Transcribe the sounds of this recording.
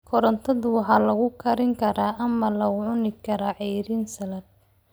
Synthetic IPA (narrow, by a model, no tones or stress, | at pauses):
kʰɔɾɐnt̪ʰɐðʊwɑħɑlɐɣʊkʰɐɾɪŋkʰɐɾaːʔɐmɐlɐɣʊʕʊnɪkʰɐɾaːʕɛɾiːnsɐlɐd̪̚